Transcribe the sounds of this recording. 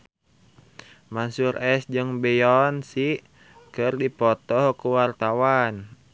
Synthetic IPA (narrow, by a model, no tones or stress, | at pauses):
mansurɛsd͡ʒɨŋbɛjɔnsi | kɨrdipɔt̪ɔhkuwart̪awan